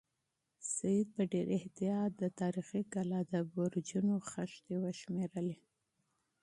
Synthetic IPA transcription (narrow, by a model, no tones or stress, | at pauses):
sajid̪̚pəɖeɾɪht̪ijɑt̪̚d̪ət̪ɑɾixikalɑd̪əboɾd͡ʒunoxaʃt̪ewəʃmeɾəle